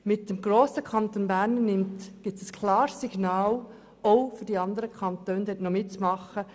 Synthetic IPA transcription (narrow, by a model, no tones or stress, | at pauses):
mɪt̚d̥emɡɾoːsəkʰɑnt̪oːnbæɾnnɪmtɡ̥ɪtəskʰlɑːɾsːiɡ̥nɑːl | oʊfyɾdiɑnd̪əɾəkʰɑnt̪øːndɛtnomɪtt͡smɑχə